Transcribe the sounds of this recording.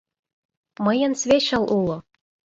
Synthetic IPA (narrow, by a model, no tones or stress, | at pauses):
mɤ̆jə̆nsvʲeɕɑ̆lˠʔulˠŏ